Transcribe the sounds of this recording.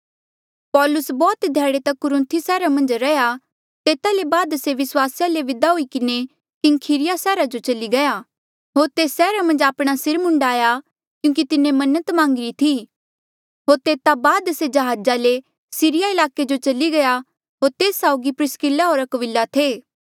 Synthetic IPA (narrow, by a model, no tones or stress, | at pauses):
pɔːlʊsbɔːt̪d̪ʱjaːɽet̪ɐkʊɾɪ̃nt̪ʰisɛːɾamɐ̃nd͡ʒɾɐja | t̪eːt̪alebaːd̪seʋɪswaːsjaleʋɪd̪aɦuikɪne | kɪŋkʰiːɾɪjasɛːɾad͡ʒot͡ʃɐliɡɐjaː | ɦoːɾt̪eːsːɛːɾamɐ̃nd͡ʒaːpɽ̃asɪɾmʊ̃ɳɖaːja | kjũːk̬it̪ɪnẽmɐnət̪mãːŋɡɪɾit̪ʰiː | ɦoːɾt̪eːt̪abaːd̪sed͡ʒɐɦaːd͡ʒale | siːɾɪjaɪlaːked͡ʒot͡ʃɐliɡɐja | ɦoːɾt̪eːsːaːʊɡipɾɪskɪlːaɦoːɾɐkəʋɪlːat̪ʰeː